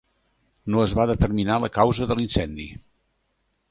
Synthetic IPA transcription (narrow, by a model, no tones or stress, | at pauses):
noəzβaðət̪ərminaləkawzəðəlinsɛnd̪ḭ